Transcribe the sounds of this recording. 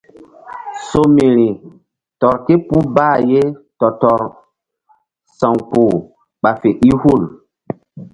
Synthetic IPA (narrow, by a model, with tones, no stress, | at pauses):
so˦mi˨ɾi˨ | tɔ˨ɾte˦pu˦baː˦˨je˦tɔ˨tɔ˨ɾ | sã˨ŋku˨ | ɓa˨fe˨ʔi˦hu˦˨l